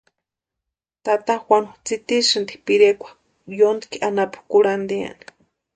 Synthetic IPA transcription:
t̪at̪axwʷanut͡sit̪isɨnd̪i̥piɾekʷḁ | jond̪i̥kiʔanapu̥kuɾand̪ia̰ni̥

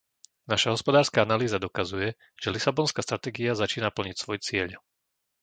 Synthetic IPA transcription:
naʃaɦɔspɔd̪aːɾskaanaliːzad̪ɔkazujɛ | ʒ̥ɛlisabɔnskaːst̪ɾat̪ɛːɡiazat͡ʃiːnapl̩ɲicsʋɔjt͡sɪɛʎ

